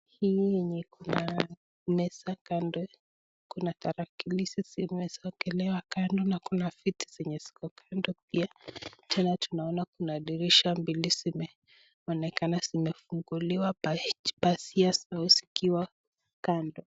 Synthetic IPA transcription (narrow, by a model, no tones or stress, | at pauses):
hijɛɲɛkuna | mɛsakandɔ | kunataɾakilisisimɛsɔɡɛlɛwakandɔnakunafiti̥z̥ɛɲɛsi̥kɔkʰandɔp̚iatʰɛnatunaɔnakunaɗiɾiʃambilizimɛ | ɔnɛkanazimɛfuŋɡuliwabasiasaɔsi̥kiwa | kandɔ